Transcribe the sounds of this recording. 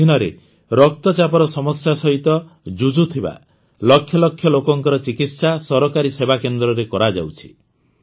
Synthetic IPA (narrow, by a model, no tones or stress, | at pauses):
inɔɾḛ | ɾɔk̚t̪ɔt͡ʃapɔɾɔsɔmɔsjasɔɦit̪ɔ | d͡ʒud͡ʒut̪ʰiba̰ | lɔkʰːjɔlɔkʰjɔlokɔŋkɔɾɔt͡ʃikit̪sasɔɾɔkaɾisebakend̪ɾɔɾekɔɾad͡ʒa̰wt͡ʃʰi̥